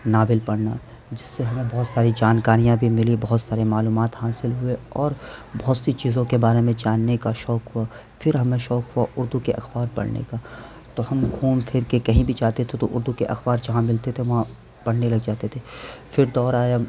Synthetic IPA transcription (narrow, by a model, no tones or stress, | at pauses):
naːbɪlpɐɽna | d͡ʒɪsːeɦɐmẽbɔːt̪saːɾid͡ʒaːnkaːɾijãbʱimɪlibɐɦʊt̪saːɾemaːluːmaːt̪ɦaːsɪlɦʊeɔːɾbɔɦʊt̪sit͡ʃiːzõkebaːɾemẽd͡ʒaːnːekaʃɔːkɦʊa | fɪɾɦɐmẽʃɔːkɦʊaʔʊɾd̪ukeʔɐ̰xbaːɾpɐ̰ɽnḛka | t̪oɦɐmkʰuːmfʰɪɾkekɐɦĩbʱit͡ʃaːt̪et̪ʰet̪oʔʊɾd̪ukeʔɐ̰xbaːɾd͡ʒɐɦãmɪlt̪et̪ʰeʋɐɦã | pɐɽnelɐɡd͡ʒaːt̪et̪ʰefʰɪɾd̪ɔːɾaːja